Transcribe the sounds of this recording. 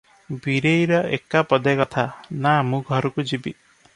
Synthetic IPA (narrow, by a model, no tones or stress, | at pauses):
biɾejɾɔekapɔd̪ekɔt̪ʰanamũɡʱɔɾɔkud͡ʒibi